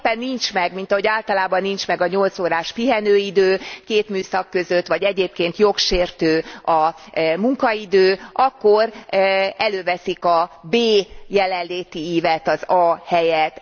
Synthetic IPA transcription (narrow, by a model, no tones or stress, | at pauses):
pɛnːint͡ʃmɛɡmint̪ɒɦo̞ɟaːlt̪ɒlaːbɒnːint͡ʃmɛɡɒɲo̞lt̪soːɾaːʃpiɦɛnøːid̪øːkeːt̪myːsɒkːø̞zø̞t̪ːʋɒɟɛɟeːp̚keːnt̪jo̞kʃeːrt̪øːɒmuŋkɒid̪øːɒkːo̞r | ɛløːvɛsikɒbeːjɛlɛnlːeːt̪iiːvɛt̪ɒzɒhɛjɛt̪